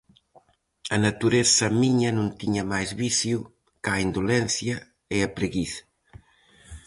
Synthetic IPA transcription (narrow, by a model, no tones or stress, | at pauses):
ɐnɐt̪uɾesɐmiɲɐnũnt̪iɲɐmajzβisju | kaind̪olɛnsjɐ | eɐpɾeɣisɐ̥